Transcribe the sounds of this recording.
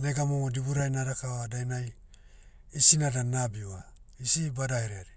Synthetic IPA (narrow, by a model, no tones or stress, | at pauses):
neɡamomodibuɾajnaɾakaβadajnaj | isinadanabiwaisibadaeɾeaɾi